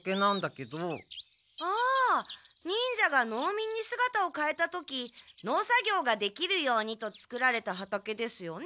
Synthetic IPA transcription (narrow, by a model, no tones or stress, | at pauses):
ke̞nãnd̪ake̞d̪o | aː | ɲ̟ĩɲd͡ʑaɡano̞ːmʲĩɲ̟ːisɨɡat̪ao̞kae̞t̪at̪o̞kʲino̞ːsaɡʲo̞ːɡad̪e̞kʲiɾɯ̟jo̞ːɲ̟it̪o̞t͡sɨ̥kɯ̟ɾaɾe̞t̪aɦat̪ake̞d̪e̞sɨjo̞n